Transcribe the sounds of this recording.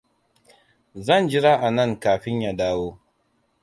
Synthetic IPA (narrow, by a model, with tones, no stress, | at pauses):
zɐ˦˨nd͡ʒɪ˦ɾaː˦ʔa˨nɐ˦˨ŋkaː˨ɸɪ˦ɲja˦daː˦woː˦